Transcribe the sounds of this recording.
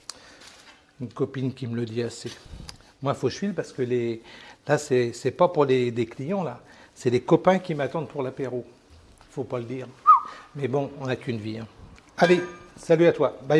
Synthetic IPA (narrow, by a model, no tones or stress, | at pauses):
ynkɔpinkʲimələd̪iase | mwafoʃfilpaʁsə̥kəlelasɛsɛpapuʁledeklijɑ̃lasɛlekɔpɛ̃kʲimat̪ɑ̃d̪puʁlapeʁo | ifopaləd̪iːʁmɛbɔ̃ɔ̃nakynviɛ̃ | alesalyat̪waba